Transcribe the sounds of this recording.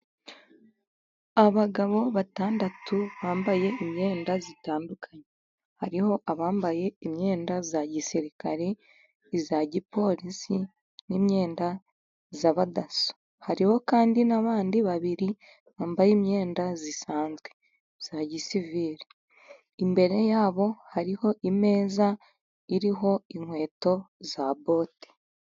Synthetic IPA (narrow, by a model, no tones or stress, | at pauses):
aβaɡaβo̞βataːndatuβaːmbaje̞imɲe̞ːndazitaːndukʰaɲe | haɾiho̞ʔaβaːmbaje̞imɲe̞ːndazaɟisiɾikaɾe | zaɟipo̞ɾisi | nimɲe̞ːnda | zaβadaso̥ | haɾiho̞kaːndinaβaːndiβaβiɾi | βaːmbajimɲe̞ːndazisaːnzɡwe̞ | z̥aɟisiviːɾe | imbe̞ɾe̞jaːβo̞haɾiho̞ʔime̞ːza | iɾiɦo̞iŋhwe̞ːto̞zabo̞ːti̥